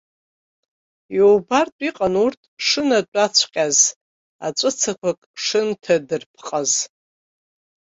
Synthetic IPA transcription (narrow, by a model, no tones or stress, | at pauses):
jowbartʼiqʼanurtʼʂɨnatʼat͡ɕʷʰqʲʼaz | a̰t͡ʃʷʼɨt͡sʰakʷʰakʼʂɨntʰadɨrpʰqʼaz